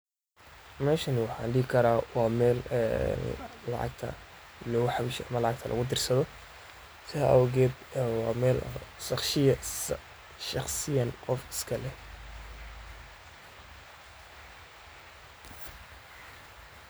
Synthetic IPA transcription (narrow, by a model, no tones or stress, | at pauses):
mɛːʃɐnɪwɑħɑ̰ːnɖihɪkʰɐɾaːwɑːmɛːlɛ̰ | ɑ̰ʕɑ̰ɡ̚t̪ʰɐ̰ | lɔɣʊħɑβɪʃɛʔɐmɐlɑʕɑɡ̚t̪ʰɐlʔɐ̰ɣʊd̪ɪrsɐðɔ | sɪhɐʔɐwɣɛːd̪wɑːmɛːlʃɑχʃɪjɐ | ʃɑχsɪjɐnʔɔfɪ̥skʰɐlɛ